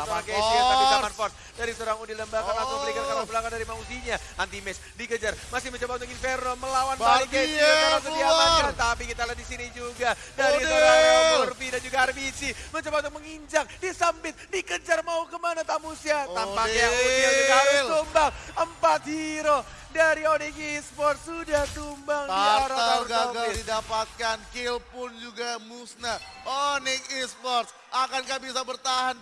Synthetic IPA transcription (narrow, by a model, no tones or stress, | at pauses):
aoaaŋkesiaakimanfɔrs | daɾisoɾaŋudiləmbakanaɔəlikankaɾabəlakandaɾimaus̬iɲaant̪imɛs | dikəd͡ʒarmasɪhməɲt͡ʃabaunt̪ʊkinfernoməlawanbakasiaaas̬əiamakat̪apikit̪aladisinid͡ʒuɡa | daɾisoaaərfinad͡ʒuɡaːrbisiməɲt͡ʃabaunt̪ʊk̚məŋiɲd͡ʒak̚disambɪt̪̚dikət͡ʃarmaukəmanat̪amusjat̪ampakjaŋuakaɾʊst̪umbaŋəmpat̪̚hiɾo | daɾionɪkispɔrt̪sudahdumbaŋdiatɾaaɡaɡaɪdidapat̪̚kankilpʊnd͡ʒuɡamusnaonɪŋispɔrs | akanɡabisabərt̪aɦan